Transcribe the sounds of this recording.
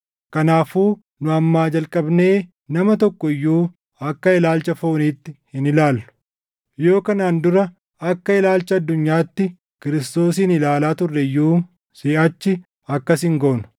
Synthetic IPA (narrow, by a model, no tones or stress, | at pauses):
kɐnaːfuː | nʊɐmːaːd͡ʒɐlkʼɐbne̞ː | nɐmɐt̪̬ɔkːɔɪjːuː | ɐkːɐɪlaːlt͡ʃɐfo̞ːniːt̪ːɪhɪnɪlaːlːʊ̥ | jo̞ːkɐnaːnd̪ʊɾɐ | ɐkːɐɪlaːlt͡ʃɐɐd̪ːʊɲːaːt̪ːɪ | kɪɾɪst̪o̞ːsiːnɪlaːlaːt̪ʊrːɛɪjːuː | sɪːʔɐt͡ʃːɪ | ɐkːɐsɪŋɡoːnʊ̥